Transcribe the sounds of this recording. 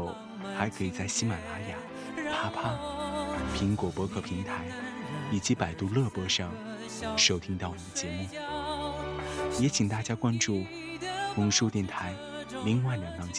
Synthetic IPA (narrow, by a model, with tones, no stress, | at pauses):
ʊ | xa˧˥ɪkʰɤ˧˥i˨˩t͡sa˥˩ɪɕi˥ma˨˩la˧˥ja˨˩ | pʰa˥pʰa˥˨˩ | pʰi˧˥ŋkwɔ˨˩pwɔ˧˥kʰɤ˥˩pʰi˧˥ŋt̪ʰa˧˥ɪi˨˩t͡ɕi˧˥pa˨˩ɪt̪u˥˧lɤ˥˧pɔ˥ʂɑ˥˧ŋ | ʂo˥ʊt̪ʰi˥ŋt̪ɑ˥˩ʊwɔ˨˩d̪ə˦˩t͡ɕjɛ˧˥mu˥˩ | jɛ˧˥t͡ɕʰi˨˩ŋt̪a˥˩t͡ɕja˥kwa˥nʈ͡ʂu˥˩ | xʊ˧˥ŋʂu˥t̪jɛ˥˩nt̪ʰa˧˥ɪli˧˥ŋwa˥˩la˨˩nfɑ˥˧ŋt͡ɕ